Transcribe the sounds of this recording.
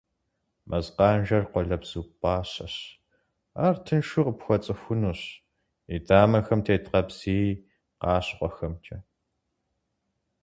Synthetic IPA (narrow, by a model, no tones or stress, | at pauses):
mʔɐzqɑːnʒɐrqʷɔɮɐbz̥uːpʼɑːɕɐɕ | aːrtʰɨnʃʊqəpxʷɔt͡sʼɨxʷʊnuːɕ | idaːmɐxɐmtʰeːtqɐbz̥iː | qɑːɕqʷʼɔxɐmt͡ʃʼɐ